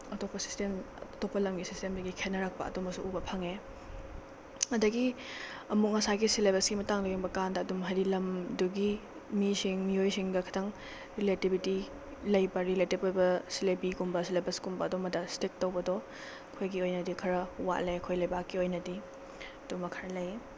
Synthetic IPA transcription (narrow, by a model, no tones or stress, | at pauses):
ɐtopːɐsi̥stem | topːɐlɐmɡisistemdɐɡikʰenɐɾak̚pɐ̰ɐ̰dumɐksuʔubɐpʰɐŋe | ɐdɐɡi | ɐmuk̚ŋɐsaɡisilebesɡimɐtaŋdojuŋbɐkandɐːdumɦɐɾilɐmduɡi | misiŋmiojsiŋɡɐkʰɐ̥tʰɐŋ | ɾiletibiti | lɐjbɐɾiletip̚ojbɐsilebiɡumbɐsilebɐskumbɐːdɔmɐdɐstek̚tɐwbɐdɔ | kʰojɡiojnɐdikʰɐɾɐwa̰ʔleɐkʰojlɐjbakːiojnɐdi | ɐdumɐkʰɐɾɐlɐje